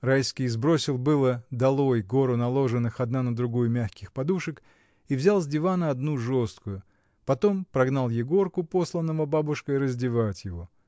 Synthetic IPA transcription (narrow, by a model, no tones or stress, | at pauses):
rajskʲijzbɾo̞sʲɪlˠbɨlˠəd̪ɐlˠo̞jɡo̞ɾʊnɐlˠo̞ʐɨnːɨxɐd̪nanəd̪ɾʊɡujʊmʲaxkʲɪxpɐd̪uʂɨk | ivzʲalˠzʲdʲɪvanɐɐd̪nuʐo̞st̪̚kʊjʊ | pɐt̪o̞mpɾɐɡnalˠjɪɡo̞rkʊpo̞slˠənːəvʊbabʊʂkəɪɾəzʲdʲɪvatʲjɪvo̞